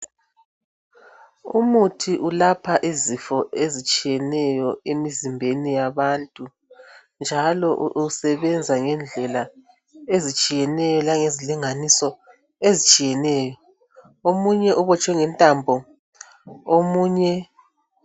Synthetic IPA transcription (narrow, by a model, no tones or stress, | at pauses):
ṵmutʰiʔulapʰaʔizifɔʔezit͡ʃʼijɛnɛjɔemizimbʱenijaβantʼu | nd͡ʒʱalɔʔʔusɛβɛnd͡zʱaŋɛnd͡ɮʱɛla | ezit͡ʃʼijɛnɛjɔlaŋeziliŋanisɔ | ezit͡ʃʼijɛnɛjɔ | omuɲɛʔuβɔt͡ʃʼwɛŋɛntʼambʱɔ | omuːɲɛ